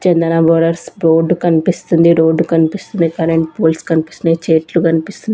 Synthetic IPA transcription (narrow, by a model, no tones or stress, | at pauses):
t͡ʃɛnd̪ɐnɐʋoːɾɐɾsɾoːɖukɐnipist̪und̪iɾoːɖːukɐnipist̪und̪ikɐɾeɳʈ̚poːlskɐnipi̥st̪unit͡ʃeːʈlukɐnipist̪und̪i